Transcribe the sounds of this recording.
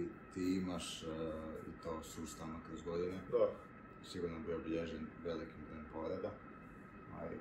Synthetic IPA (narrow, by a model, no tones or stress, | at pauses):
it̪iːimaʃ | ḭt̪oːsust̪aʋnokɾozɡod̪ine | siɡuɾnobioobiʎeʒenʋe̞likimd̪ɾojompoɾed̪a | a̰lḭ